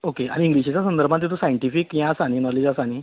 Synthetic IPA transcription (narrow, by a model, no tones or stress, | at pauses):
okea̰ɽĩːŋɡliɕit͡ɕasə̃nd̪əɾbʱãnt̪̬it̪̬osajɳʈifikjãsaɽ̃inɔled͡zasaɽ̃i